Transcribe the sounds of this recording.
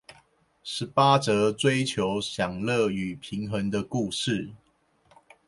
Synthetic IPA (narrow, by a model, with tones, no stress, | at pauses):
ʂɻ̩˨˦pa˦ʈ͡ʂɤ˨˧˦t͡swe˦ɪt͡ɕʰjo˨˦ʊɕjɑ˨˩ŋlə˥˨y˨˩pʰi˨˦ŋxə˧˦ŋd̪ə˧ku˥˧ʂɻ̩˥˨